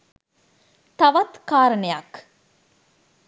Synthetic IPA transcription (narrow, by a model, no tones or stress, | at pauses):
t̪ɐʋɐt̪kaːɾənəjɐk